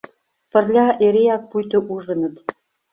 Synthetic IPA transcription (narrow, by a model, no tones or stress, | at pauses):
pɘ̆rlʲɑʔeɾejɑk̚pujt̪ɤ̆ʔuʐɤ̆nɤ̆t̪